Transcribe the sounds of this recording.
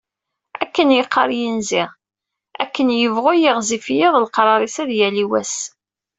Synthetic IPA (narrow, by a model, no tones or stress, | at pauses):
ækːənjəqʰːɑɾˤjənzɪʁ | ækːənjəvʁʊjɪʁzifjɪðˤlqɾˤɑɾˤisæðjæliwæs